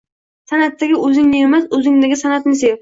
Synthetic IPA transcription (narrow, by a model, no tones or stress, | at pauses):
sanat̪ʰːaɡʲɪʔɵzɪŋnɪemasɵzɪŋd̪aɡʲɪsanat̪nɪs̬ev